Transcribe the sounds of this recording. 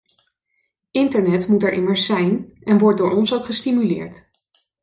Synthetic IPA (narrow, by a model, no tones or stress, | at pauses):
ɪntəɹnɛtmutɛɹʔɪ̰məɹsɛjnɛnʋɔɹt̚dʊːɹɔnsowkχəstimylɪ̰ːɹt